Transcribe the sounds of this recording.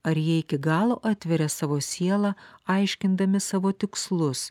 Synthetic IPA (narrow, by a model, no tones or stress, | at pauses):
ɐɾjiɛɪkʲɪɡɑːlˠoːʔɑːt̪ʲʋʲɛɾʲɛsɑːʋoːsʲiɛlˠɑɐɪʃʲkʲɪnd̪ɐmʲɪsɑːʋoːt̪ʲɪkslˠʊs